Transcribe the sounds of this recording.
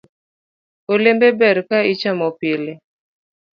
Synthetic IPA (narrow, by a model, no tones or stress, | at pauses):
olembebɛɾkait͡ʃamɔpɪlɪ